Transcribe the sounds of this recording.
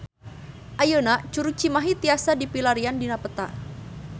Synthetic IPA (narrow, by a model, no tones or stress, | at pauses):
ʔajənat͡ʃuɾut͡ʃimaɦit̪iasadipilaɾiandinapət̪a